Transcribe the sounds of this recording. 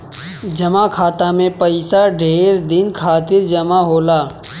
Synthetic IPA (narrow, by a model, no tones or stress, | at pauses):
d͡ʒɐmakʰaːt̪amẽpəɪsaɖʱeːɾd̪ɪnkʰaːt̪ɪɾd͡ʒɐmaɦoːlaː